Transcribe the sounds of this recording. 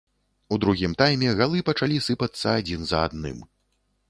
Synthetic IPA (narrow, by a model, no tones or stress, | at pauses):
ud̪ɾuɣʲimt̪ajmʲɛɣalˠɨpɐt͡ʂalʲisɨpɐt̪sːɐad͡zʲinzɐa̰d̪nɨ̰m